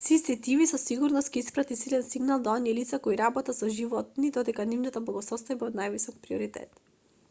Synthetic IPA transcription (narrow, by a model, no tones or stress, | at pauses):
sist̪ɛt̪ivisɔsiɡuɾnɔst̪kiispɾat̪isilɛnsiɡnalˠd̪aɔniɛlit̪sakɔiɾabɔt̪asɔʒivɔt̪̚nid̪ɔd̪ɛkanivnat̪ablˠaɡɔsɔst̪ɔajbaɔd̪najvisɔk̚pɾiɔɾit̪ɛ̰t̪